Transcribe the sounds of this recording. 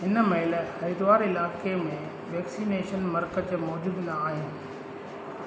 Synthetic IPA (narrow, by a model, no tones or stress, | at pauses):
ɦɪnəmɐɦɪlɐjd̪ʋaːɾɪlaːkemẽ | ʋɛːksiːneːʃənmɐɾkət͡ɕemɔːd͡ʑuːd̪naːɦɪnɪ̆